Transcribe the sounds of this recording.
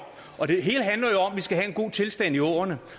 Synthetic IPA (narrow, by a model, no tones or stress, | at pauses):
ʔɒ̽d̥e̝ɦe̝ːləɦænlɐjo̝ɒ̽m̰ʋisɡ̥æɦæe̝nɡ̥o̝̰ːt͡sʰe̝lsd̥æn̰iɔ̰ːɐnə